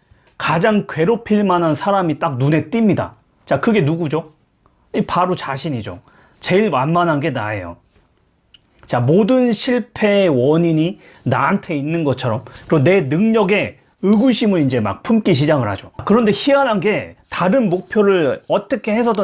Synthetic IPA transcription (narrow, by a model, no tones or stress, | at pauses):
kad͡ʑaŋkɥwe̞ɾopʰiɭmanansʰaɾamit͈ak̚nune̞t͈imɲida̰ | t͡ɕakɯɡe̞nuɡud͡ʑo | ipaɾot͡ɕaɕʰiɲid͡ʑo̰ | t͡ɕe̞iɭmanmanɦanɡe̞na̰e̞̰jo̰ | t͡ɕamodɯnɕʰiɭpʰe̞wʌɲiɲi | naːntʰe̞inːɯnɡʌt͡ɕʰʌɾʌmkɯɾeone̞nɯŋɲʌɡe̞ | ɯɡuɕʰimɯnind͡ʑe̞ma̰k̚pʰumk͈iɕ̬ʰid͡ʑaɡɯɭhad͡ʑokɯɾʌnde̞çiananɡe̞taɾɯnmok̚pʰjoɾɯɭʌt͈ʌkʰe̞he̞s̬ʰʌdʌ